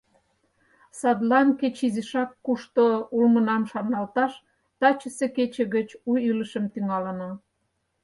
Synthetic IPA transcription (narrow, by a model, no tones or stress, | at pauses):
sɑd̪lɑnket͡ɕiziʃɑkːuʃt̪oulmənɑmʃɑnɑlt̪ɑʃ | t̪ɑt͡ɕə̆seket͡ɕĕɣət͡ɕuyləʃəmt̪yŋɑlə̆no